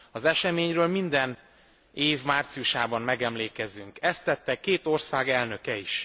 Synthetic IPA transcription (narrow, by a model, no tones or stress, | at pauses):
ɒzɛʃɛmeːɲrøːlmind̪ɛn | eːvmaːrt̪sijuʃaːbɒmmɛɡɛmleːkɛzyŋkɛst̪ːɛt̪ːɛkːeːt̪o̞rsaːɡɛlnø̞kɛiʃ